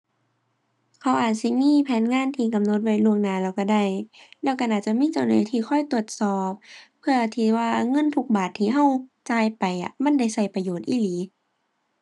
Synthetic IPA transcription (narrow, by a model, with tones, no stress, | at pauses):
kʰa˧˦wʔaː˨˩t̪̚si˧miː˧˥˨pʰɛː˨˦nŋaː˧˥˨nt̪ʰiː˧ka˨mno˧˦t̪̚wa˧˩jlu˧əŋnaː˧˦lɛː˧˩wka˧˩da˧˩jlɛː˧˩wka˧˨ʔaː˨˩t̪̚t͡ɕa˧˨miː˧˥˨t͡ɕa˨˧˩wnɯː˨˦jt̪ʰiː˧xʰɔ˧˥˨jt̪u˧˨˩ət̪̚sɔː˨˩p̚ʰː | ɯ˧ɐt̪ʰiː˧˩waː˧ŋɤ˧˥˨nt̪ʰu˧k̚baː˨˩t̪ʰːiː˧˨ɦa˧˩˨wt͡ɕaː˧˩jpa˨˩jʔa̰˧˩ma˧˥˨nda˧˩jsa˧˩jpa˧joː˨˩t̪ʔiː˧˩liː˨˦